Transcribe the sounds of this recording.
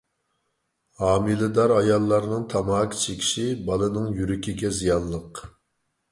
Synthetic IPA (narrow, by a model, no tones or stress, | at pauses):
hɑːmɨlˠɨd̪ɑɾɑjɑlˠːɑɾnɨŋt̪ʰɑmɑːkʲʰt͡ʃʰekʲʰi̥ʃibɑlˠɨnɨŋjyɾykʲʰiɡʲɛzijɑnːˠəq